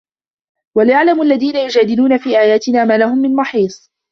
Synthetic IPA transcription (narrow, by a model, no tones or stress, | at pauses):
waljaʕlamʔalːaðiːnajʊd͡ʒaːd̪ɪluːnafiːʔaːjaːt̪ɪnaːmaːlahʊmːɪnmɑħiːsˤ